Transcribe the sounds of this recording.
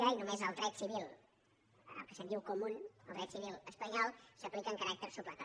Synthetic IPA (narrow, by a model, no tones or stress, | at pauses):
ainumezəlˠd̪ɾɛt̪siβilˠ | ə̰lˠkəsənd̪iwkumunəlˠd̪ɾɛt̪siβilˠəspəɲɔlˠsəplikəːŋkəɾak̚t̪əɾsuplak̪a